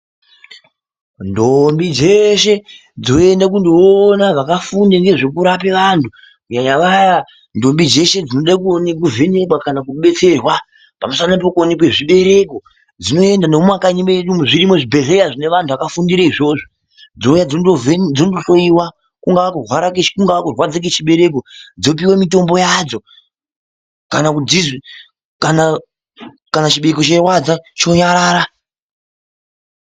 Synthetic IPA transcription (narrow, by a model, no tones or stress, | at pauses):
ndombid͡ze̞ʃe̞ | d͡zo̞endak̬undoːnaʋakafundaŋɡe̞ʐe̞kuɾapeʋantʰu | kuɲaɲaʋaja | ndo̞mbid͡ze̞ʃe̞d͡zino̞ɗakuonek̬uvʱe̞ne̞kwakanakuɓe̞t͡se̞rwa | pamusanap̬okuonekwe̞ʐiɓe̞ɾe̞ko̞ | d͡zino̞e̞ndanomwakaɲimeeɗumuʐiɾimo̞ʐibʱe̞ɮeaʐine̞ʋantʰuʋakafundiɾaiʐo̞ːʐo | d͡zoujad͡zooed͡zondoso̞iwa | kuŋɡaakurwaɾak̬et͡ʃkuŋɡaakurwad͡zek̬et͡ʃiɓe̞ɾe̞kod͡zo̞p̬iwamito̞mbo̞jad͡zo̞ | kanakud͡zi | kana | kanat͡ʃiɓekot͡ʃerwad͡zat͡ʃo̞ɲaɾaːɾa